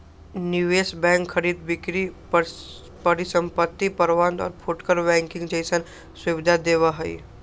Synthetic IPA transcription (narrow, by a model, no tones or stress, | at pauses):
njuʋeːsbɛ̃ːŋkʰːɐɾiːd̪̚bɪkɾi | pəɾisə̃mpət̪ːipəɾʋãnd̪ɔ̰ːɾpʰʊʈkəɾbɛ̃ːŋkɪ̃ŋɡd͡ʒɐɪsən | swʊʋɪd̪ʱad̪eːʋaɦɐḭ